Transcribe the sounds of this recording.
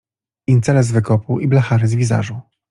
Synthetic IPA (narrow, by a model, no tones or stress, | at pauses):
int̪sɛlɛz̬vɘkɔpuʔiblaxaɾɘzvʲiza̰ʐũ